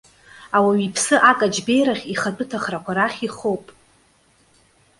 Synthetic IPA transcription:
awaɥipʰsɨʔakʼad͡ʒbe̞jɾaχʲiχat͡pʼʊtʰaχrakʷʰaɾaχʲiχowpʼ

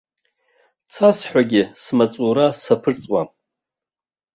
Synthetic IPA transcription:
t͡sʰasħʷᶣaɡʲɪsmat͡sʼuɾasapʰɨrt͡sʼwa̰

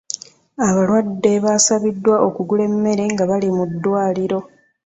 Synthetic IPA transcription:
aβalwadːe̞βasaβidːwaʔo̞kuɡule̞mːe̞ɾe̞ŋɡaβalimudːwaːliɾo̞

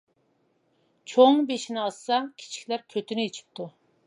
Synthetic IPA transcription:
t͡ʃʰoŋbeʃinɪɑsːɑkʲʰi̥t͡ʃʰi̥kʲlæɾkʲʰøt̪ʰynɪet͡ʃʰi̥p̚t̪ʰu

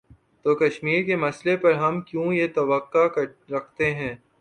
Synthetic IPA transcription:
t̪oːkɐʃmiːɾkemɐslepɐɾɦɐmkjũːjet̪ɐʋəqːakɐɾɾɐkʰt̪eɦɛ̃ː

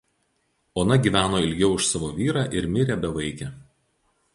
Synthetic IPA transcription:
oːnɐɡʲiːˑʋʲæːnoːɪlʲɡʲɛʊɪʃsɑːʋoːʋʲiːɾɑːˑʔɪɾmʲɪɾʲɛbʲɛʋɐɪkʲɛ

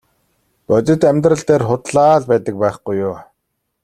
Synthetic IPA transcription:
pœt̪ʲɪ̆t̪æmʲt̪rə̆ɬt̪eːrχʊt̪ɮaːɮpæːt̪ə̆k̚pæːχɡujːʊː

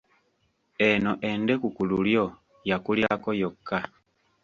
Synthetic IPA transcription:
enoʔe̞nde̞kukululjo̞ | jakuljaːkojokʰːa

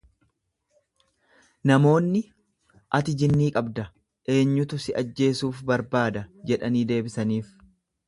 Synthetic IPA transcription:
nɐmo̞ːnːɪ | ʔɐt̪ɪd͡ʒɪnːiːkʼɐbd̪ɐ | ʔe̞ːɲːʊt̪ʊsɪʔɐd͡ʒːe̞ːsuːfbɐɾbaːd̪ɐd͡ʒɛᶑɐniːd̪e̞ːbɪsɐniːf

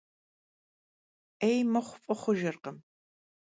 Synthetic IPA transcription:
ejmɐχʷʊfʼɐχʷʊʒɪrqəm

